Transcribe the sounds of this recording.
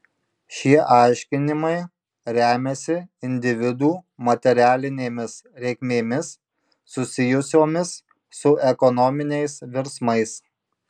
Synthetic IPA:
ʃʲiɛʔɑˑɪʃʲkʲɪnʲɪmɐɪ | ɾʲæːmʲɛsʲɪɪnʲd̪ʲɪʋʲɪd̪uːmɐt̪ʲɛɾʲæːlʲɪnʲeːmʲɪsɾʲɛɪkmʲeːmʲɪsː | ʊsʲɪjʊsʲoːmʲɪsː | ʊʔɛkɔnɔmʲɪnʲɛɪsʋʲɪɾsmɐɪs

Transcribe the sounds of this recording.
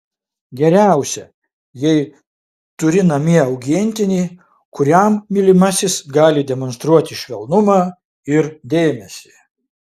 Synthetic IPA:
ɡʲɛɾʲæˑʊsʲɛ | jɛɪ | t̪ʊɾʲɪnɐmʲiɛɐʊɡʲiɛnʲt̪ʲɪnʲiː | kʊɾʲæmːʲɪlʲɪmɐsʲɪsɡɑːlʲɪd̪ʲɛmɔnst̪ɾuɔt̪ʲɪʃʲʋʲɛlˠnʊmɑː | ɪɾd̪ʲeːmʲɛsʲi

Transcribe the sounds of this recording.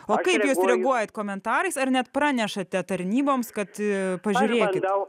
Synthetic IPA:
oːkɐɪpjuːsɾʲɛɡuɔjɛt̪koːmʲɛnt̪ɑːɾɐɪsɐrnʲɛt̪pɾɑːnʲɛʃɐt̪ʲɛt̪ɐɾʲnʲiːboːmskɐt̪pɐʒʲʊːɾʲeːkʲɪt̪

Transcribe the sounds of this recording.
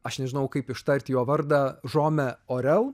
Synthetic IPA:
ɐʃnʲɛʒʲɪnɐʊkɐɪpɪʃt̪ɐɾʲt̪ʲjoːʋɐɾd̪ɐʒoːmʲɛoːɾʲɛlˠ

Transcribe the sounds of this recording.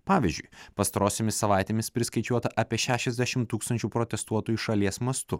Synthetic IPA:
pɑːʋʲizʲd͡ʒʲʊjpɐst̪ɐɾoːsʲemʲɪsːɐʋɑˑɪt̪ʲeːmʲɪspʲɾʲɪskɐɪt͡ʃʲuɔt̪ɐʔɑːpʲiɛʃʲæːʃʲɛzʲd̪ʲæʃʲɪmt̪uːkst̪ɐnʲt͡ʃʲuːpɾɔt̪ʲɛst̪uɔt̪uːjuˑʃɐlʲiɛsmɐst̪ʊ

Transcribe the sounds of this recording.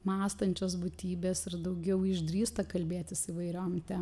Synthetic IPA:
mɑːst̪ɐnʲt͡ʃʲoːsbʊt̪ʲiːbʲeːsɪɾd̪ɐʊɡʲɛʊɪʒd̪ʲɾʲiːst̪ɐkɐlʲbʲeːt̪ʲɪsiːʋɐɪɾʲoːmt̪ʲɛ

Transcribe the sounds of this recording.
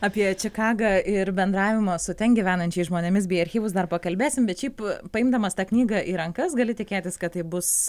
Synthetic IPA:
ɑːpʲiɛt͡ʃʲɪkɑːɡɐʔɪɾbʲɛnd̪ɾɑːʋʲɪmosʊt̪ʲɛnɡʲiʋʲæːnɐnʲt͡ʃʲɛɪsʒmoːnʲɛmʲɪs̬bʲɛːɐɾʲxʲiːʋʊsd̪ɐrpɐkɐlʲbʲeːsʲɪmbʲɛt̪ʃʲɛɪppɐɪmd̪ɐmɐst̪ɑːknʲiːɡɐʔiːɾɐŋkɐsɡɐlʲɪt̪ʲɪkʲeːt̪ʲɪskɐt̪tɐɪbʊs

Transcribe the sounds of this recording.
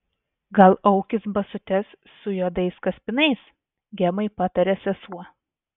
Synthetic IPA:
ɡɐlˠɐʊkʲɪsbɐsʊt̪ʲɛsːʊjoːd̪ɐɪskɐsʲpʲɪnɐɪs | ɡʲɛmɐɪpɑt̪ɐɾʲɛsʲɛsuɔ

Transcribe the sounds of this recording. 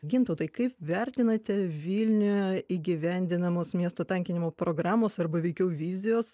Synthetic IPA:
ɡʲɪnt̪ɐʊt̪ɐɪkɐɪpʋʲɛɾʲt̪ʲɪnɐt̪ʲɛʋʲilʲnʲʊjɛiːɡʲɪʋʲɛnʲd̪ʲɪnɐmoːsmʲiɛst̪oːt̪ɐŋʲkʲɪnʲɪmoːpɾoːɡɾɑːmoːsɐɾbɐʋʲɛɪkʲɛʊʋʲiːzʲɪjoːs

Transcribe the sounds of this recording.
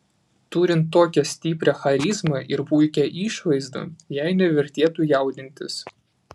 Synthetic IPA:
t̪uːɾʲɪnt̪ːoːkʲɛsʲt̪ʲiːpʲɾʲɛxɐɾʲɪzmɐʔɪɾpuɪkʲɛʔiːˑʃʋɐɪzd̪o̰ːjæɪnʲɛʋʲɛɾʲt̪ʲeːt̪uːjɛˑʊd̪ʲɪnʲt̪ʲɪs

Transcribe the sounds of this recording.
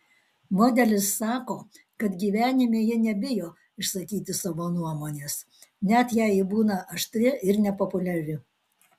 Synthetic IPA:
moːd̪ʲɛlʲɪsːɑːkoː | kɐt̪ɡʲiːʋʲæːnʲɪmʲeːjɪnʲɛbʲɪjoː | ɪʃsɐkʲiːt̪ʲɪsɑʋoːnuɔmoːnʲeːs | nʲæt̪jæɪɪbuːnɐʔɐʃt̪ʲɾʲɪʔɪɾnʲɛpopʊlʲɛɾʲɪ

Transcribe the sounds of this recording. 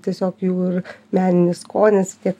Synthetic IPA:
t̪ʲiɛsʲoːkjuːɪrmʲæːnʲɪnʲɪskoːnʲɪst̪ʲiɛk

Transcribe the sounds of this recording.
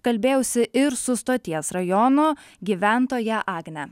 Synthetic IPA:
kɐlʲbʲeːjɛʊsʲɪʔɪɾsʊst̪oːt̪ʲiɛsɾɐjɔnoː | ɡʲiʋʲæˑnt̪oːjɛʔɑːɡnʲɛ

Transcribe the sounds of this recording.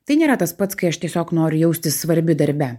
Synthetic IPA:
t̪ɐɪnʲeːɾɐt̪ɐspɐt̪skɐɪɐʃt̪ʲiɛsʲoːknoːɾʲʊjɛʊsʲt̪ʲɪssʋɐɾʲbʲɪd̪ɐɾʲbʲɛ

